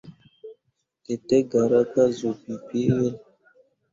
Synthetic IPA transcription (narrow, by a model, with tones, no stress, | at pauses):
kɛ˨tɛ˦ɡa˨ɾa˦ka˦zo˨pi˨pe˦e˦l